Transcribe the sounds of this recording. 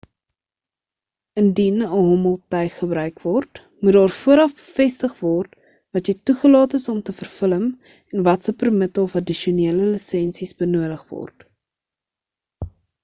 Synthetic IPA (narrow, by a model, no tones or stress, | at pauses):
əndinəɦɔməlˠtɛjχəbɾœɥkvɔrt | mut̚dɑːrfuəɾɐfbəfɛstəχvɔrt | vɐtjɛjtuχəlɑːtəsɔmtəfərfələm | ɛnvɐtsəpərmətəlˠfɐdiʃoniələlisɛnsisbənuədəχvɔ̰rt